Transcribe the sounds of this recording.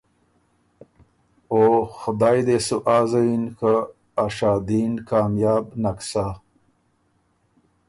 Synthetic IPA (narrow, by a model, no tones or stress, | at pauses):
oːxʊd̪ɑːjd̪esuʔaːzainkʰa | aʂaːd̪inkɑːmjɑːbnaksa